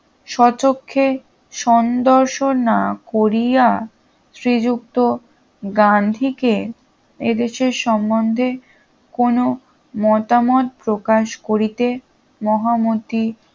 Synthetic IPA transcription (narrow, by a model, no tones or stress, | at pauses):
ʃɔt͡ɕokʰːe | ʃɔnd̪oɾʃonakoɾija | sɾid͡ʑuk̚t̪o | ɡand̪ʱike | ed̪eʃeɾʃɔmːond̪ʱe | kono | mɔt̪amɔt̪̚pɾokaʃkoɾit̪e | mɔɦamot̪i